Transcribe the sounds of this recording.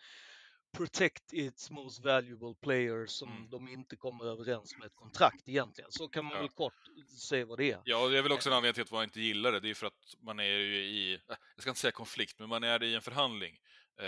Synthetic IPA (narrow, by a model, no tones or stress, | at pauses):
pʰɾʊt̪ʰɛkt̪ɪt̪smoʊst̪væljʊbəlpʰlɛjəɾsɔmd̪ɔmɪnt̪əkʰɔmːəɾøːvəɾɛnsmɛɛt̪̚kʰɔnt̪ʰɾakt̪ɛjɛnt̪ʰlɪɡə̰nsɔkʰanmanvɛlkʰɔʈsɛjːavad̪ɛæɾjɑːjavɪlɔksɔɛnanːɡ̪nɪlat̪vanɪnt̪əjɪlːaɖɛd̪ɛæjʏfœɾat̪manæɾjɵɪjɑɡskaɪnəsɛjːakʰɔnflɪk̚t̪mɛnmanæɾɪɛnfœɾɦand̪lɪ̰ŋ